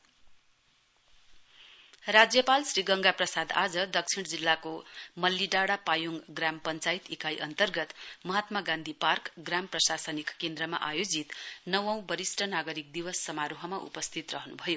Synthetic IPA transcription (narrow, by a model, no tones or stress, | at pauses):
rad͡zjʌpalsriɡʌŋɡaprʌsad̪ad͡zʌd̪ʌk̚t͡sʰiɽ̃d͡zilːakomʌlːiɖaɽapajuŋɡɡrampʌnt͡sajit̪ikajʔʌnt̪ʌrɡʌt̪mʌɦat̪maɡãnd̪ʱiparkɡramprʌsasʌnikkend̪ɾʌma̰ʔajod͡zit̪nʌwʌ̃w̃bʌɾisʈʰʌnaɡʌɾik̚d̪iwʌsːʌmaɾuɦʌmaʔṵpʌst̪ʰit̪rʌɦnubʱʌjo